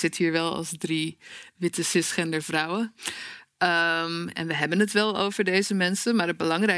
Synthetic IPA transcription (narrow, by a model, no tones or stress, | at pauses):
z̥ɪtɦiːɹʋɛlˠɑ̰lˠsdriʋɪtəsɪsχɛndəɹvrʌwə | əmɛ̰nʋəɦɛbənətʋɛlˠo̰wvəɹdejzəmɛnsənmaːɹəd̚bəlɑŋrɛ